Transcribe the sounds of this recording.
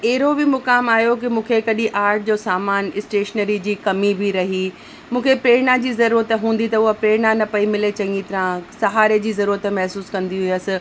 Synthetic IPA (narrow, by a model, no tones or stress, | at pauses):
ɐɦɪɾobɪmʊkaːmaːɦijok̬ɪmũːkʰekɐɗiʔaːɾʈ̚ʰd͡ʑoːsaːmaːnɪsʈeːʃnəɾid͡ʑiːkɐmibʱɪɾɐɦi | mũːkʰepɾeːɾɳad͡ʑiːzɐɾuːɾət̪ɦũːn̆d̪it̪ɐʊɦapɾeːɾɳanɐpɐimɪlet͡ɕɐ̃ŋɡit̪ɐɾãsɐɦaːɾed͡ʑiːzɐɾuːɾət̪mɐɦsuːskɐ̃nd̪iɦʊiəsɪ̆